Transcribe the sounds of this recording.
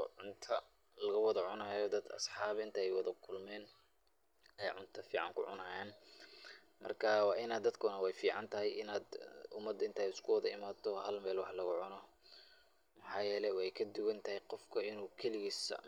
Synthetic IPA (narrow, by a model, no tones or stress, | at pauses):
ʕʊnt̪ʰɐ | lɐɣɐwɑðɐʕʊnɐːjɔd̪ɐd̪ɐ̰sħɑːβɪnt̪ʰɐɛjwɑðɐkʰʊlmɛːn | ɛjʕʊnt̪ʰɐfiːʕɑ̰ŋkʰʊ̰ʕʊ̰nɐːjaːn | mɐ̰rkʰɐwɑːʔɪnaːd̪ɐd̪kʰʊnɐwɛjfiːʕɑnt̪ʰɐɦɛjɪnaːd̪ʊmɐd̪ɐɪnt̪ʰɐːjɪskʰʊwɑðɐɪmaːt̪ɔhɐlmɛːlwɑħlɐɣʊʕʊnɔ | mɐħɑːjɛːlɛwɛjkʰɐd̪ʊwɐnt̪ʰɐhɛjqɔfkʰɐɪnuːkʰɛlɪɣis